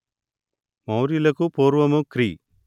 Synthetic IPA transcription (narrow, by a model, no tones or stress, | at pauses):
mɐwɾilɐkupoːɾʋɐmukɾiː